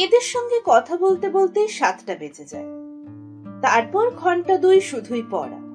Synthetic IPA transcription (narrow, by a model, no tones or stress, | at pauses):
ed̪eɾʃɔŋɡekɔt̪ʰabolt̪ebolt̪ejʃat̪ʈabed͡ʑʰed͡ʑa̰e | t̪aɾpɔɾɡʱɔɳʈad̪ujʃud̪ʱujpɔ̰ɾa̰